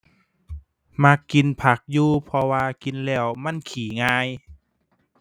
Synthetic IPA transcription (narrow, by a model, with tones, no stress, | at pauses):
ma˧kːi˧npʰa˧˩k̚juː˧pʰɔ˧waː˧ki˧nlɛː˧˩wma˧˥˨nkʰiː˨˦ŋaː˧j